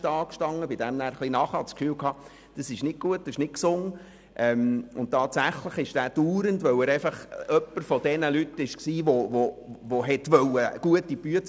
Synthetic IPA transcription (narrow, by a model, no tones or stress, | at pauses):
tɑːkʃtɑŋːəbɪd̥ɛmnæːɾχlinɑχɑtskfyːwkʰɑː | d̥əsɪʃnɪk̚ɡ̥uət̚ːɪʃnɪtksʊŋ | ʔɛmʊntɑːtsæχləχɪʃd̥æːd̥uːɾəntʋœwəɾɛɪfɑχœpːəɾfɔdɛnəlytɪʃksiːʋovoʋoɦɛtʋœwəɡ̥uətːib̥yət